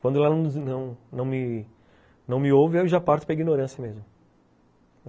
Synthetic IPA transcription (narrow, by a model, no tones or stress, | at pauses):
kwɐ̃d̪ʊlanɐ̃nɐ̃w̃nɐ̃w̃mɪ | nɐ̃w̃mɪovɪewʒapaɾt̪ʊ̥pɾɐiɡinoɾɐ̃sijɐmezmʊ